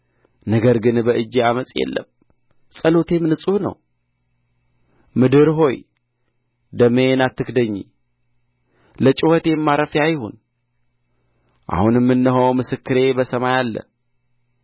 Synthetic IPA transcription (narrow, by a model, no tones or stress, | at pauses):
nəɡəɾɡɨnbəʔɨd͡ʒːeaməsʼjɛ̰lːə̰m | sʼəlot̪ʰe̞mnɨsʼuhnə̰w | mɨd̪ɨɾɦo̞j | d̪əmenat̪ːɨkd̪əɲːḭ | lət͡ʃʼɪwot̪ʰe̞ɛmːaɾəfjajho̰n | ʔa̰hunjmːɨnːɨɦəwmɨsɨkːɨɾe̞bəsəmajalːə̰